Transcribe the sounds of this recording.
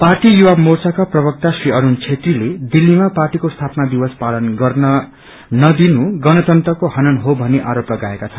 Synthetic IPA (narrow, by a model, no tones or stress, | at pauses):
parʈijuwamort͡sakaprʌβʌk̚t̪asriʌɾunt͡sʰet̪riled̪ilːimaparʈikost̪ʰapʌnad̪iwʌspalʌnɡʌrnʌ | nʌd̪inuɡʌnʌt̪ʌnt̪rʌkohʌnʌnɦobʱʌneʔaɾoplʌɡaekat͡sʰʌ